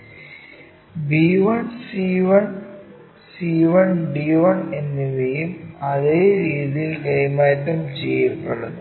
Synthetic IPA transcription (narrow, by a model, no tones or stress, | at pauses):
biːʋɐɳsiːʋɐɳ | siːʋɐɳɖiːʋɐɳenːiʋejumɐðeːɾiːðijilkɐjmaːjt̪ːɐmt͡ɕejɐpːɐɭu